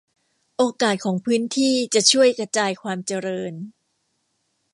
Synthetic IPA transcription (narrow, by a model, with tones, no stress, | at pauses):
ʔoː˧kaː˨˩t̪̚kʰɔː˩˦ŋpʰɯː˦˥nt̪ʰiː˥˩t͡ɕa˨˩t͡ɕʰu˥˩əjkɾa˧t͡ɕaː˧jkʰwaː˧mt͡ɕa˧ɾɤː˧n